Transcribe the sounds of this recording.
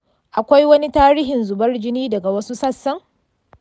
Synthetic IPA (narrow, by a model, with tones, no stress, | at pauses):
ʔa˨kʷa˦jwɐ˦ni˦taː˦ɾiː˦ɦɪ˨nzʊ˨bɐ˦rd͡ʒɪ˦niː˦dɐ˨ɡa˨wɐ˦su˦sɐ˦sːɐ˦ŋ